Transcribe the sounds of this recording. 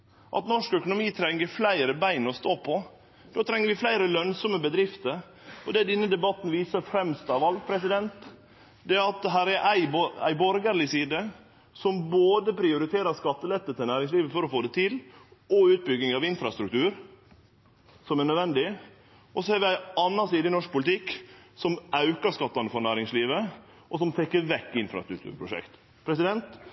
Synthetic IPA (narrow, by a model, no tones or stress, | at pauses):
ʔɑ̰t̪nɔʂkœkʊnʊmiːt̪ʰɾɛŋːəɾflæɪɾəbæɪnɔst̪oːpʰɔ | d̪̥oːt̪ʰɾɛŋːəɾʋɪflæɪɾəlœnsɔməbəd̪ɾɪft̪əɾ | ɔd̪ɛːd̪ɛnːəd̪ɛbɑt̪ːn̩ʋiːsəɾfɾɛmst̪ɑʋɑlpʰɾɛsɪd̪ɛnt̪ | d̪ɛæɑt̪̚d̪ɛɦæːɾæɾʔæɪbæ̰ɪbɔɾɡəɾɭɪsiːd̪ə | sɔmboːd̪əpʰɾɪʊɾɪt̪ʰeːɾɑskɑt̪ːəlɛt̪ːət̪ɪlnæːɾɪŋsliːʋəfɔɾɔfoːd̪ɛt̪ʰɪlɔʉːt̪̚bʏɡːɪŋɑʋɪnfɾɑst̪ɾʉk̚t̪ʰʉːɾ | sɔmæɳœd̪ʋɛnd̪ɪ | ʔɔsɔhɑɾʋɪæɪɑnːɑsiːd̪ənɔʂk̚pʰʊlɪt̪ʰɪkːsɔmɑʉkɑskɑt̪ːɑnəfɔɾnæːɾɪŋsliːʋə | ʔɔs̬ɔmt̪ʰɛkːəɾʋɛkːɪnfɾɑ̰st̪ɾʉkt̪ʰʉ̰ːɾpʰɾʊʂɛ̰kt̪ | pʰɾɛsɪd̪ɛnt̪